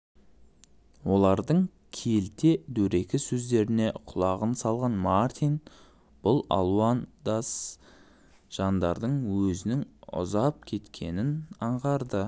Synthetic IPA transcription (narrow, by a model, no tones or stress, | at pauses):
wo̞lˠɑɾd̪əɴ | kʲʰe̞lt̪e̞d̪ɵɾe̞kʲɪsɵzd̪e̞ɾɪne̞qʰʊlˠɑʁənsɑlˠʁɑnmaɾt̪ijn | b̥ʊlˠɑ̰lˠuɑnd̪as | ʒ̥ɑnd̪ɑɾd̪əɴwɵzɪnɪŋʊ̰zɑp̚kʲʰe̞t̪kʲʰe̞nɪnɑɴʁɑɾd̪ə